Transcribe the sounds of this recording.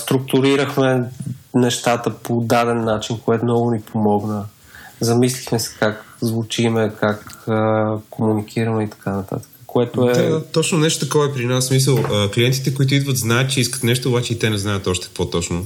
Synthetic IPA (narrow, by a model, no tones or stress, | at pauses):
st̪ɾʊk̚t̪ʊɾiɾəxmɛnɛʃt̪at̪əpod̪ad̪ɛnːat͡ʃinkoɛt̪ʊmnɔɡʊnipʰomɔɡnə | zɐmislixmɛsɛ̥kakzvʊt͡ʃimɛkakəkomunikiɾəmɛit̪ɐ̥kanɐt̪a̰t̪ə̥kə̥koɛt̪oɛad̪at̪ɔt͡ʃnonɛʃt̪o̥t̪ɐkɔvɐɛpɾinasːmis̬əlˠəkliɛnt̪i̥t̪ɛkoit̪̬ʊid̪vət̪znajət̪̚t͡ʃɛiskə̥t̪nɛʃt̪oːbat͡ʃɛit̪ɛnɛznajət̪ɔʃt̪ɛ̥kkvɔt̪ɔt͡ʃno